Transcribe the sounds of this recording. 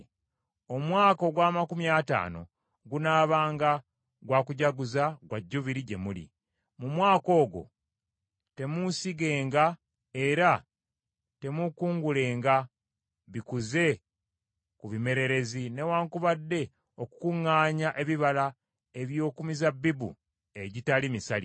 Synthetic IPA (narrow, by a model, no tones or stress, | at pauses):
o̞mwaːko̞ɡwaːmakumjata̰ːno̞̰ | ɡunaːβaːŋɡa | ɡwaːkuɟaɡuzaɡwaɟːuβiɾiɟe̞̰mulḭ | mumwaːko̞ːɡo̞̰ | te̞musiɡe̞ːŋɡa | e̞ɾa | te̞mukuːŋɡule̞ːŋɡa | βikuze̞ | kuβime̞ɾe̞ɾe̞zine̞waːŋkuβadːe̞ | o̞ku̥kuŋːaːɲaʔe̞βiβala | e̞βjo̞ːkumizabːibṵ | e̞ɟitalimisali